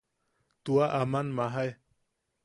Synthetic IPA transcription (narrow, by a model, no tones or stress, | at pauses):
t̪uaʔamanmaɦaj